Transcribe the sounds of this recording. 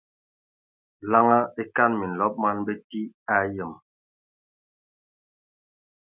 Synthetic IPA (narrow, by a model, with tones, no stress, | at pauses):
la˦ŋa˦e˦ka˦nmi˨n̩˨lɔ˦p̚ma˦nbe˦ti˦a˦jə˨m